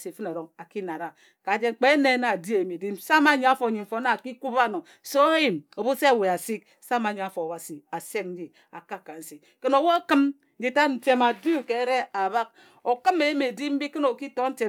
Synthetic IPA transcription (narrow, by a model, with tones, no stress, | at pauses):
si˨fɨ˦na˨ɾo˨a˨ki˦na˨ɾa˨ | ka˨˦d͡ʒe˦ŋ͡mk͡pe˦ne˨˦na˨di˦e˨ji˨me˨di˦msa˦ma˨ɲi˨a˦fo˨ɲi˨m̩˨fo˨˦na˦˨ki˦ku˦ba˦˨no˨ | so˦ji˨mo˨bu˦se˦˨we˨a˨si˦k̚ | sa˦ma˨ɲi˨a˨fo˨a˨wa˨si˨a˨se˦k̚n̩˦d͡ʒi˦ | a̰˨ka˦˨ka˨n̩˨si˨ | ke˦no˨wo˦kɨ˦m˦ | d͡ʒi˦ta˦n̩˨te˦ma˨du˦ke˨˦ɾe˦a˨βa˦k | o˨kɨ˦me˨ji˦me˨di˦m̩˦bi˦ke˦no˨ki˦to˦n̩˦te˨